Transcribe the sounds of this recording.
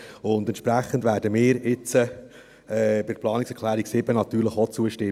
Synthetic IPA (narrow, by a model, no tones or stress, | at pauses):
ʊnd̪ɛntʃpɾæχəndʋæːɾdəmɪːɾɪt͡sə | ɛbɪ̥plɑːniksɛkʰχlæːɾiksɪbənɑt̪yːɾləχot͡suəʃtɪ